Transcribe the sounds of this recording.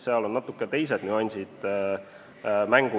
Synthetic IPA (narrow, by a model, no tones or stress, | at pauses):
seɑlo̞nːɑt̪ːˑukːˑet̪e̞js̬ed̪nyɑnʲsʲid̪̥ | mæŋɡ̥u